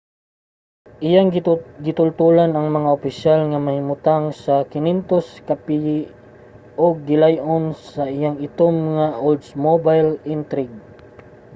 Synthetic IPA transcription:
ʔɪjaŋɡɪt̪ʊlt̪ulanɐŋmɐŋaʊpɪʃalŋamahɪmʊt̪aŋsakɪnint̪oskapiji | ʔoɡ̚ːɪlajʔonsaʔɪjaŋɪt̪omŋaʔold̪smobajlɪnt̪ɾɪɡ̚

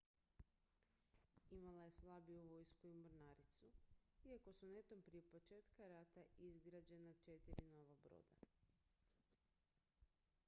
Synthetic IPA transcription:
imalaje̞slˠabiuʋo̞jskuimoɾnaɾit̪suiako̞sune̞t̪ompɾijepo̞t͡ʃe̞ːt̪kaɾat̪aizɡɾad͡ʑe̞nat͡ʃe̞t̪iɾino̞ʋabɾo̰ːd̪a

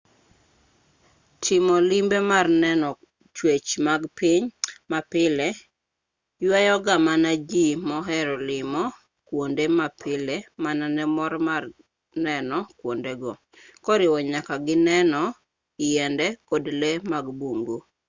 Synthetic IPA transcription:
tʰɪmɔlimbemarnɛnɔ | t͡ʃwet͡ʃmaɡpɪɲmapɪlɛ | jwajɔɡamanad͡ʒimɔɦɛɾɔlɪmɔ | kwondemapʰɪlemananɛmɔɾmar | nɛnɔkwondeɡɔ | kɔɾɪwɔɲakaɡɪnɛnɔ | jɛndɛkodlemaɡbuŋɡu

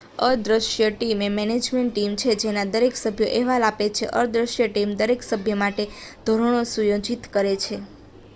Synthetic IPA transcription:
əd̪ɾəʃjəʈimemɛned͡ʒmeɳʈːimt͡ʃʰed͡ʒenad̪əɾeksəbʱjoʔeʋalapet͡ʃʰḛʔəd̪ɾəʃjəʈimd̪əɾeksəbʱjəmaʈed̪ʱoɾəɳ̃osujod͡ʒit̪kəɾet͡ʃʰe

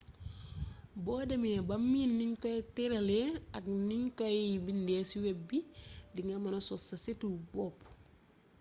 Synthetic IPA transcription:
bɔːdɐmibɐmːiːnːiɲkɔjtiɾɐleɐk̚niɲkɔjbindɛːsiwɛbidiŋɐmɐnɐsɔsɐsitubɔːp

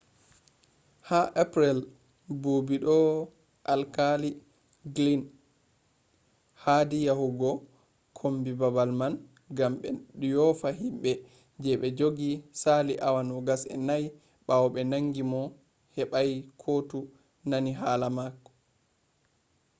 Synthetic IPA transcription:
haʔapɾɛl | bubiɗɔ | ʔalkali | ɡlin | hadijahuɡɔ | kʰombibabalman | ɡamɓɛɗjɔfahimɓɛ | d͡ʒɛɓɛd͡ʒoɡisaliʔawanɔɡasɛ̰naj | ɓawɔɓɛnaŋɡimɔ | hɛɓajkʰotu | naniɦalamakːɔ̥

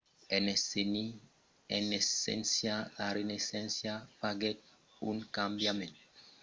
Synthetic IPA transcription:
eneseni | enesɛ̰nsjalaɾenesɛ̃nsjapaɡɛt̚ | uŋkambjamẽnt̪o

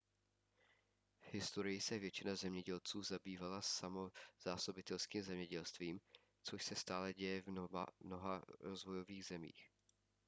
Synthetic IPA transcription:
vhɪst̪o̞ɾɪjɪsɛvjɛt͡ʃɪnazɛmɲɛɟɛlt͡suːzabiːvalasamo̞z̥aːso̞bɪt̪ɛlskiːmzɛmɲɛɟɛlst̪viːm | t͡so̞ʃsɛst̪aːlɛɟɛjɛvnoɦaɾo̞zvo̞jo̞viːɣzɛmḭːx

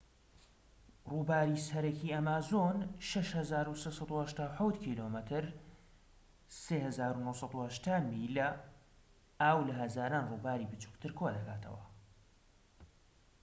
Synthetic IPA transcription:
ruːbaːɾiːsɐɾɐkiːɐmaːzonʃɐʃhɐzaːɾusesˤɑd̪uːhɐʃt̪aːwħawt̪kʰiːlomɨt̪ʰɨɾ | seːhɐzaːɾunowsˤɑd̪uhɐʃt̪ʰaːmilɐ | aːwlɐɦɐzaːɾaːnruːbaːɾibɨt͡ʃu̥kt̪ʰɨɾkʰoːd̪ɐkʰaːt̪ʰɐ̰wɐ̰

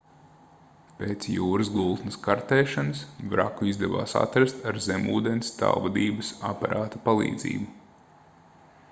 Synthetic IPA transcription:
peːt̪sjuːɾɨsɡulˠt̪nɐskaɾt̪eːʃanɨsbɾa̰kuizd̪ɛva̰ːsa̰t̪ɾast̪aɾzemuːd̪enst̪a̰lvad̪iːbɨsapaɾaːt̪apalˠḭːd̪zḭːbu

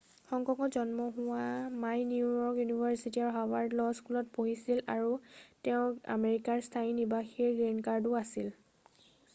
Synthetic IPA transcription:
xɔŋkɔkɔzɔnmɔɦʊwamajniujɔɹkjunibʱaɹsitiaɹuɦawaɹdlɔskulɔt̚poɦisila̰ɹutɛʊ̃a̰meɹikaɹstʰainibaxiɹɡenkaɹdʊasil

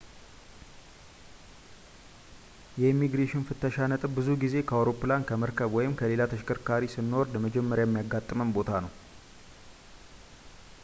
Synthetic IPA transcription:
jɛimːiɡɾeʃɪnfɨt̪ʰːəʃanət̪ʼɨbbɨzuɡize̞kʰəawɾo̞pːɨlankʰəməɾkʰəβwɔjɪmkʰəle̞lat̪ʰəʃkʰəɾkʰaɾisɨnːoɾd̪əməd͡ʒɛmːəɾjajɛmːijaɡːat̪ʼːɨməmbo̞t̪ʰanəw

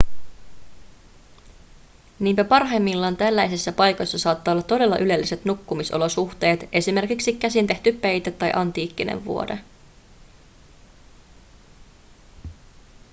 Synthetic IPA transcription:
niːmpæpɑrɦɑjmːilːɑːnt̪ælːæjsisːæpɑjko̞jsːɑsɑːt̪ːɑːolːɑt̪ːo̞de̞lːɑʔyle̞lːise̞t̪nukːumiso̰lo̞suxt̪e̞ːt̪e̞sime̞rkiksik̟ːæsint̪e̞ht̪ypːejt̪æt̪ːɑjʔɑnt̪iːkːinḛʋʋṵo̞dḛ

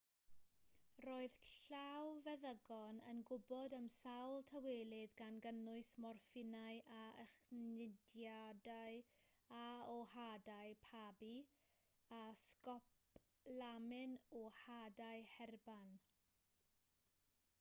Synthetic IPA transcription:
roːɨð̥ɬawvɛðəɡɔnə̰nɡʊbɔdəmsawlˠtʰaweːlˠɪðɡanɡənʊɨsmɔrfɪnaɨʔaə̰χnɪdjadajaɔhadaɨpʰabi | askɔp | lamɪnɔhadaɨhɛrban

